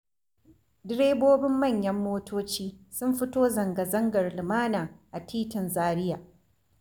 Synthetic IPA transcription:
dɪ˦ɽeː˦boː˦bɪ˦mːɐ˦˨ɲjɐ˦mːoː˦tʰoː˦t͡ʃiː˦sʊ˦mɸɪ˦toː˦zɐ˨ŋɡɐ˨zɐ˦ŋɡɐ˨rlɪ˨maː˦naː˨ʔa˨tʰiː˦tɪ˨nzaː˦ɽɪ˦jaː˨

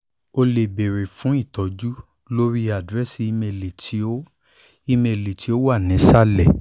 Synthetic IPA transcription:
o˧le˨be˨ɾe˨fũ˨˦i˦˨tɔ˨˦d͡ʒu˦ | lo˦ɾi˦a˨dɾɛ˦si˦i˧˦me˧le˨tʰi˨˦o˦ | i˧me˧˨le˨tʰi˨˦o˦wa˦˨nĩ˨˦sa˦˨lɛ˦˨

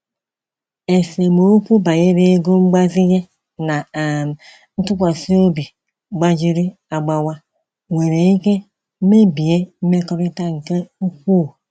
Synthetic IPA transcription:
e˨se˨mo˨˦o˦kʷu˦ba˨je˦ɾe˦ɡo˦ŋ͡m̩˦ɡ͡ba˦zi˦je˦ | na˨ | n̩˦tu˦kʷa˨si˦o˦bi˨ | ɡ͡ba˦d͡ʒi˦ɾi˦ | a˨ɡ͡ba˨wa˦ | we˨ɾe˨i˦ke˦ | m̩˦me˦bi˨je˦m̩˦me˦kɔ˦ɾi˦ta˦ŋ̩˨ke˦u˦kʷu˦˨

